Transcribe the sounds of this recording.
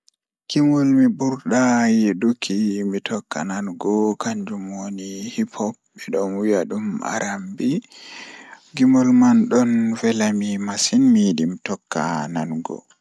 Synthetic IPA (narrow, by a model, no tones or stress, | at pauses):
kimɔlmibuɾɗajedukʰimitʰɔkːa̰nanɡɔkaɲd͡ʒumwonihipʰɔp̚ːɛɗɔnwijaɗumʔa̰ɾʔambi | ɡimɔlmanɗɔnvɛlamimasinmidimtɔkʰːa̰nanɡɔ̰